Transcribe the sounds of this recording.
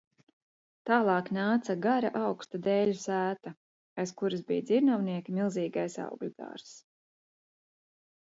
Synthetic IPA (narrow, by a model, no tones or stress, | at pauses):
t̪aːlˠɑːknaːt̪saɡaɾa̰ʔawkst̪ad̪ɛːʎusæːt̪a | ajskuɾazbḭjd̪iɾnawniɛkʲimilˠziːɡajsɑ̰wɡlʲud̪a̰ːɾs